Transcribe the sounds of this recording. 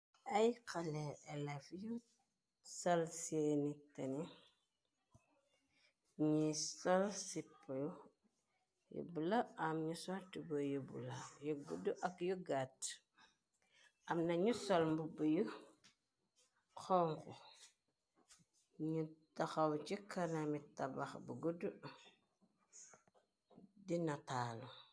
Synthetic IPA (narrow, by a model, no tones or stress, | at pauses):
ɐjkɐlɛʔɛlɛfju | sɐlseːnitɐni | ɲisɔlsipːju | jṵbulɐɐmɲusɔltibujubṵlɐjuɡuduʔɐkjuɡat | ʔamnaɲusolmbubuju | xɔŋku | ɲutaxawt͡ʃikʰanamitabaxbəɡudu | dinataːlu